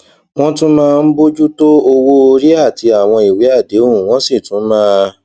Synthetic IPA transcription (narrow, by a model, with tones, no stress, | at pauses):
w̃ɔ̃˦tũ˦mãː˦˧n̩˦bo˦d͡ʒu˦to˦o˧wo˦o˧ɾi˦a˦˨ti˧a˨w̃ɔ̃˧i˨we˨˦a˦˨de˨˦o˦ũ˨w̃ɔ̃˦si˦˨tũ˨˦mãː˦